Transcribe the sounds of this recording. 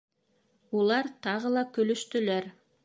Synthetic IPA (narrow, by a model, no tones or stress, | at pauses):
ulˠɑɾt̪ʰɑʁəlˠɑkɵ̆lɵ̆ʃt̪ɵ̆læɾ